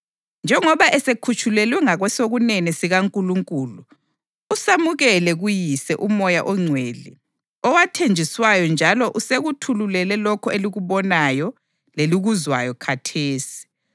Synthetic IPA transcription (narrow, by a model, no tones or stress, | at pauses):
nd͡ʒʱɛŋɔβaʔɛsekʰut͡ʃʰʼulɛlwɛŋaɣwɛsoɣunɛnisiɣaŋkʼuluŋkʼuːluː | samuɣɛlɛɣujisɛʔumɔjaʔɔŋ͡ǀʱweɮḭ | ɔwatʰend͡ʒʱiswajɔnd͡ʒʱalɔʔuseɣutʰululɛlɛlɔkʰɔeliɣuβɔnajɔ | leliɣuzwa̰jɔkʰatʰeːsi̥i̥